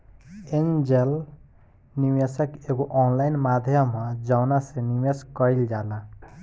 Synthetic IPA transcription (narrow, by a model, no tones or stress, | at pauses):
end͡ʒel | nimesəkeɡoʔɔnlajnmad̪ʱjəmãd͡ʒawnasenimjeskɔild͡ʒalã